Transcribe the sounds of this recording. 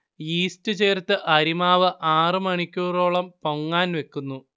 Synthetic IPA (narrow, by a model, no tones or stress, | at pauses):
iːstɨt͡ɕe̞ːrt̪ːɨʔɐɾimaːʋɨʔaːrɨmɐɳikʲːuːro̞ːɭɐmpoŋːaːnʋe̞kːunːu